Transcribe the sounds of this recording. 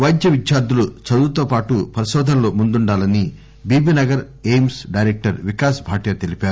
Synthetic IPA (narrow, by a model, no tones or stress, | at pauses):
ʋɐjd̪jɐʋid̪jaːɾd̪ulut͡ʃɐd̪uːt̪oːpaːʈupɐɾɐʃɔːd̪ʱɐnloːmund̪uɳɖaːlɐni | biːbiːnɐɡɐɾ | ejmsɖɐjɾeːk̚ʈɐɾʋikaːsbʱaːʈjɐt̪e̞lipaːɾu